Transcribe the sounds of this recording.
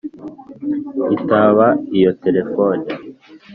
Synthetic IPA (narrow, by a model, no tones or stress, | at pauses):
itaβaijo̞te̞ɾe̞fone